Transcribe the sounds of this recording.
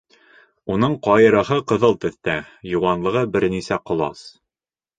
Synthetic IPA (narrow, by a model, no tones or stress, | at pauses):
unɤɴqɒjɤ̆ɾɤ̆ɦɤqɤ̆ðɤlˠt̪ɵ̆θt̪æjŭwɑnlˠɤ̆ʁɤbɘɾnisæqŏlˠɑ̰s